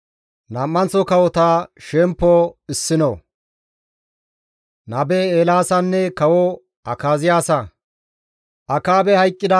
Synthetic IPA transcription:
nɐmːɐnt͡sːɔkɐwɔt̪aʃɛmpːɔɪsːɪnɔ̰ | nɐbɛeːlaːsɐnːɛkɐwɔ | ɐkaːzɪjaːsɐ | ʔɐkaːbɛhɐjkʼːɪd̪ɐ

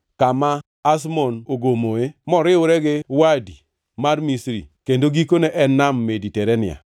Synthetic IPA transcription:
kamaː | s̬mɔnoɡomoemɔɾɪʊɾɛɡɪwadi | marmisɾḭkendoɡikoneʔɛnamːeditɛɾɛnɪ̰a̰

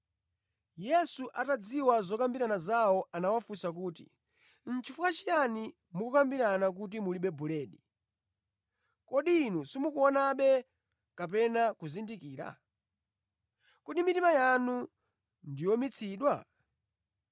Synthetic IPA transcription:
jɛsuʔatad͡ziwazɔkambiɾanazawɔanawafusakuːtḭ | n̩t͡ʃʰifukat͡ʃijani | mukukambiɾanak̬ut̬imuliɓɛbulɛːɗi | kɔɗiːnusimukuɔnaɓɛ | kap̬ɛnakuzindikiːɾa̰ | kuɗimitimajanu | ndijɔmit͡sʰiːɗwa

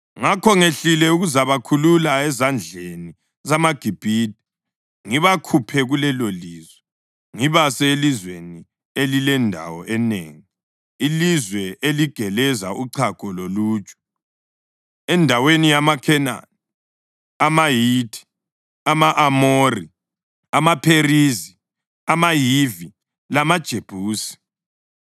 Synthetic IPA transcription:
ŋakʰɔŋeɬilɛuɣuzaβakʰululaɛzand͡ɮʱeni | zamaɡ̥ʱib̥ʱiːdʱi̥ | ŋiβakʰupʰɛɣulɛloliːzwɛ | ŋiβasɛelizweni | elilɛndʱa̰wɔʔɛnḛːŋi | ilizwɛʔeliɡ̥ʱɛlɛzaʔuǀʰakʰʼɔlolu̥ːt͡ʃʼu̥ | ɛndʱawenijamakʰɛna̰ni | amajitʰʼi̥ | amaʔamori | amapʰerizi | amajivi | lamad̥ʒ̥ʱeb̥ʱuːsi̥

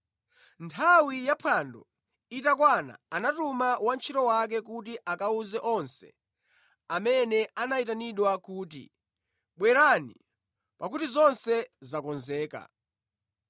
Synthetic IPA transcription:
ntʰawijapʰandɔ | itakwana̰ːnatumawant͡ʃʰitɔwak̬ɛk̬utiʔakauzɛʔɔnsɛ̥̰ | amɛnɛanaitaniɗwakuːtḭ | ɓwɛɾanḭ | pakutizɔnsɛzakɔnzɛːka̰

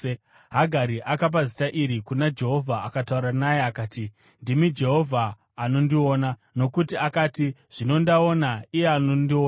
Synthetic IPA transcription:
ɦaɡʱaɾiʔakap̬azitaʔiɾikunad͡ʒe̞ɦo̞vʱaːkatauɾanajeakaːti | ndimid͡ʒe̞ɦo̞vʱaː | no̞ndio̞ːnano̞kutiakaːtiʐ̥ino̞ndao̞naijeanondio

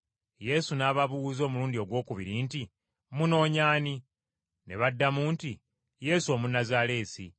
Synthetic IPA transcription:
je̞sunaːβaβuwuzo̞ːmuluːndio̞ɡwo̞ːkuβiɾinti | muno̞ːɲaːni | ne̞βadːamuːnti | je̞ːso̞ːmunazale̞ːsḭ

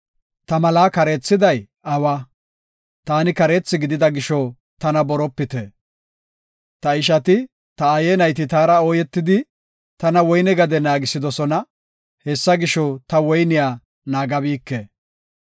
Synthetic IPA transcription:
t̪ɐmɐlaːkɐɾeːt͡sːɪd̪ɐj | ɐwɐ | t̪aːnɪkɐɾeːt͡sːɪɡɪd̪ɪd̪ɐɡɪʃɔ | t̪ɐnɐbɔɾɔpːɪt̪ɛ | t̪ɐɪʃ̬ɐt̪ɪ | t̪ɐːjenɐjt̪ɪt̪aːɾɐɔːjɛt̪ːɪd̪ɪ | t̪ɐnɐwɔjnɛɡɐd̪ɛnaːɡɪsɪd̪ɔsɔnɐ | hesːɐɡɪʃɔt̪ɐwɔjnɪjaː | naːɡɐbiːkːe

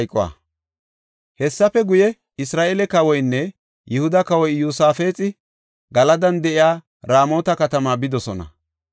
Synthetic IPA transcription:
jkʼːʊwa̰ː | hɛsːɐpɛɡʊjɛ | ɪsɾaːʔeːlɛkɐwɔjnːɛ | jɪhʊd̪ɐkɐwɔjːuːsaːfe̞ːt͡sʼɪ | ɡɐlɐd̪ɐnd̪ɛʔɪjaː | ɾaːmo̞ːt̪ɐkɐt̪ɐmaːbɪd̪ɔsɔnɐ̰

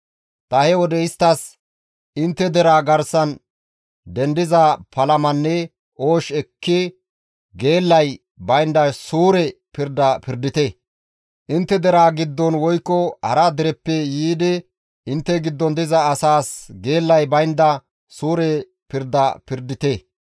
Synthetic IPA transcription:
t̪ɐhɛwɔd̪ɛɪst̪ːɐs | ʔɪnt̪ːɛd̪ɛɾaːɡɐɾsɐn | d̪ɛnd̪ɪzɐpʰɐlɐmɐnːɛ | ʔo̞ːʃɛkʰːɪ | ɡe̞ːlːɐj | bɐjnd̪ɐsuːɾɛ | pɪɾd̪ɐpɪɾd̪ɪt̪ɛ | ʔɪnt̪ːɛd̪ɛɾaːɡɪd̪ːɔnwɔjkːɔhɐ̰ɾɐd̪ɪɾɛpːɛjiːd̪ɪ | ɪnt̪ːɛɡɪd̪ːɔnd̪ɪzɐːsaːsɡe̞ːlːɐjbɐjnd̪ɐ | suːɾɛ | pɪɾd̪ɐpɪɾd̪ɪt̪e

